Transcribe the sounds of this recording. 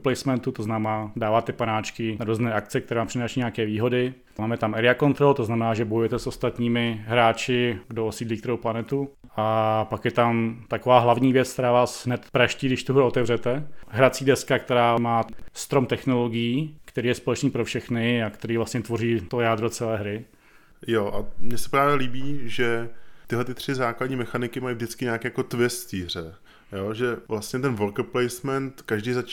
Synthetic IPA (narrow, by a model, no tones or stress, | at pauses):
plɛjsmɛnt̪ut̪oznamɛnaːdaːvaːt̪ɛpanaːt͡ʃkɪnaɾuznɛːʔak̪t͡sɛk̚t̪ɛɾɛːvaːmpr̥ɪnaːʃiɲɛakɛːviːɦo̞dɪ | maːmɛt̪amɛɾɪako̞nt̪ɾolt̪o̞znamɛnaːʒɛbo̞jujɛt̪ɛso̞st̪at̪ɲiːmɪɦɾaːt͡ʃɪɡdoosiːdliːkt̪ɛɾowplanɛt̪u | apakjɛt̪amt̪akovaːɦlavɲiːvjɛt͡sk̚t̪ɛɾaːvaːsɦnɛt̪pɾaʃciːɡdɪʃt̪uɦɾuot̪ɛvrɛt̪ɛɦɾat͡siːdɛskak̚t̪ɛɾaːmaːst̪ɾomt̪ɛxnoloɡɪjiːkt̪ɛɾiːjɛspolɛt͡ʃniːpɾofʃɛxnɪakt̪ɛɾiːvlast̪ɲɛt̪vo̞riːt̪ojaːd̪ɾot͡sɛlɛːɦɾɪ | joʔamɲɛsɛ̥pɾaːvɛliːbiːʒɛt̪ɪɦlɛt̪ɪt̪r̝̥ɪzaːkladɲiːmɛxanɪkɪmajvdɪt͡skɪɲaːkɛːjakot̪vɪst̪iːr̝ɛ | joːʒɛvlast̪ɲɛt̪ɛnvolkplɛjsmɛnt̪kaʒdijzat͡ʃ